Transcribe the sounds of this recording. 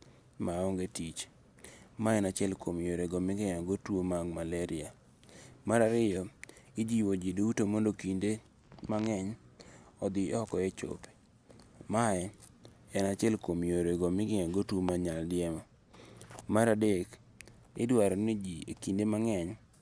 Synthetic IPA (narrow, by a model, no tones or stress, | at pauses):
maɔŋɡetit͡ʃ | maɛnat͡ʃɛlkomjoɾeɡomɪɡɛŋaɡotwomaɡmalɛɾɪa | maɾaɾɪjɔɪd͡ʒiwod͡ʒidoutomondokinde | maŋɛɲ | ɔd̪ɪɔkɔjɛt͡ʃo̰pe̥ | maɛɛnat͡ʃɛlkomjoɾeɡomɪɡɪŋaɡotwomaɲaldɪɛmɔ | maɾadek | ɪ̰dwaɾɔnid͡ʒikindemaŋɛɲ